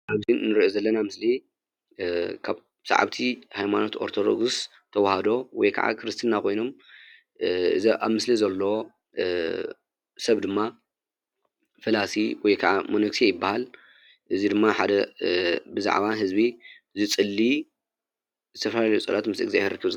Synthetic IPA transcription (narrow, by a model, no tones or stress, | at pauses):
ʔaβzinnɨɾiʔozɐlːɐnamɨsli | kʰaβ | sa̰ʕa̰βt̪ʰihajmano̞t̪oɾt̪ʰod̪o̰ɡs | t̪ʰɐwahad̪o̞wɔ̰jkʰa̰ʕa̰kʰɾɨst̪ʰinakʰo̞jno̞m | ɨziʔa̰βmɨslizɐlːow | sɐβd̪ɨmːa | fɨlasiwɔjkʰaʕamonɐksiejɪbːahal | ʔɨzid̪ɨmːaħad̪ɐ | bɨza̰ʕβaɦɨzbi | zɨt͡sʼɨlːi | zɨt̪ʰɐfɐlalɐjut͡sʼɐlat̪mɨsɨ̰ɡzajheɾɨkːɨβ